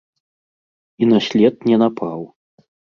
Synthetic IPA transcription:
inasʲlʲɛt̪̚nʲɛnapʰaw

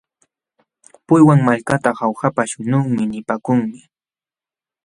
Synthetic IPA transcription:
pʊjwaŋmaʎkat̪ahawxapaʃʊnʊŋmɪnɪpaːkʊŋmɪ

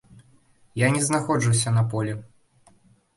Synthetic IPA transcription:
janʲɛznaxɔd͡ʐɨwsʲɐnɐpɔlʲɛ

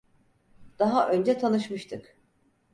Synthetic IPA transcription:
d̪̥aɦaʔø̞nd͡ʒɛt̪ʰanɯʃmɯʃt̪ʰɯk

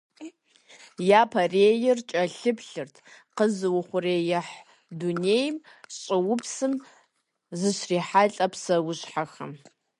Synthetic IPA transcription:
japʰɐreːjɪrt͡ʃʼɐɬɨpʰɬɨrtʰqəzɨwʊχʷʊrejɪħ | dunejm | ɕʼɪwʊpʰsɨm | zɨɕriːħaɬʼɐpʰsɐwʊɕħaxɐ̰m

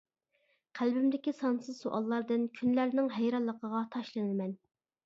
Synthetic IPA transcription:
qʰælbymd̪ɪkʲisɑnsɨzsoʔɑ̰lˠːɑɾd̪ɨnkʲʰynlæɾnɪŋɦɛjɾɑlˠːəqʰəʁɑt̪ʰɑʃlˠɨnɨlmɛn

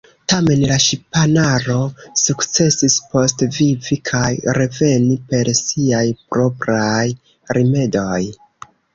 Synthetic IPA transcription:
tame̞nlaʃipanaɾo̞sukt͡se̞sispo̞stvivikʰajɾe̞ve̞nipe̞ɾsiajpɾo̞pɾaj | ɾime̞do̞j

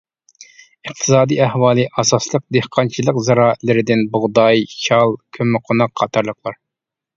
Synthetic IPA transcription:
ɨq̚t̪ʰɨ̥sɑːd̪iæhwɑːlˠɨʔɑsɑslˠəq̚d̪ehqʰɑnt͡ʃʰilˠəqzɑɾɑːɪt̪lɪɾɪd̪ɪnbʊʁd̪ɑjt͡ʃʰɑlˠkʲʰømɪqʰonɑqʰːɑt̪ʰɑɾlˠəqʰlˠɑɾ

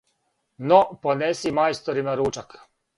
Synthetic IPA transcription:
noponesimajst̪oɾimaɾuːt͡ʃak

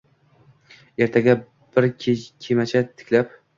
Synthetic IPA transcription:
e̞ɾt̪ʰaɡʲa | b̥ɪɾʰkʲʰemat͡ʃʰat̪ʰɪ̥kʲlap

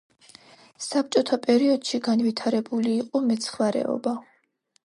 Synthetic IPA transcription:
sap̚t͡ʃʼɔt̪ʰapʼɛɾiɔd̪̥ʃiɡanvit̪ʰaɾɛbuliːqʼɔmɛt̪sʰχvaɾɛ̰ɔ̰ba

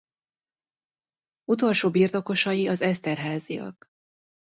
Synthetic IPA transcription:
ut̪o̞lʃoːbiːrt̪o̞ko̞ʃɒjiɒzɛst̪ɛrɦaːzḭjɒ̰k

